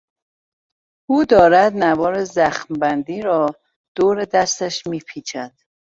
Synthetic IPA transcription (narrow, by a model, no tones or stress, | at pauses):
uːd̪ɒːɾæd̪nævɒːɾezæxmbænd̪iːɾɒː | d̪̥oːɾed̪æst̪æʃmiːpʰiːt͡ʃʰæd̪̥